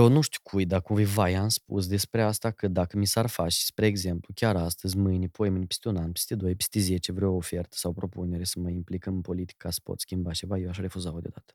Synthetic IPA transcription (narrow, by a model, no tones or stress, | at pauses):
onuʃt̪ʲi̥kʰujd̪akuvivajamspṵs̬d̪e̞spɾe̞ast̪akəd̪akəmisarfat͡ʃspɾe̞ːɡze̞mplukʲaɾast̪əzʲmɨjnipoemɨnipʲi̥st̪ʲunanpi̥st̪ʲed̪o̞jpi̥st̪eze̞t͡ʃevɾeoofe̞rt̪ə̥sawpɾo̞pune̞ɾesəməimplikənpo̞lit̪i̥kasə̥po̰t̪skʲimbat͡ʃe̞vajewaʃaɾe̞fuzawod̪eod̪at̪ə̥